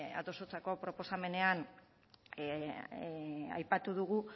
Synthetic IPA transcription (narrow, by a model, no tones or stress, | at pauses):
a̰t̪o̞sot͡sako̞pɾo̞po̞same̞ne̞an | a̰jpat̪uðuɣu